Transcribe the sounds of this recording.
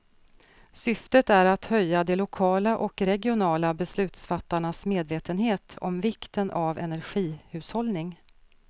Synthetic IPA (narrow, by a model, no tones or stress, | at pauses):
sʏft̪ət̪æɾat̪hœjːad̪ɛlʊkʰɑːlaʔɔkɾɛɡɪʊnɑːlabɛslʉ̟ːt̪sfat̪ːaɳasmeːd̪veːt̪ənɦeːt̪ʰɔ̰mvɪkt̪ənʔavɛ̰næɾɧiːhʉ̟ːshɔlnɪŋ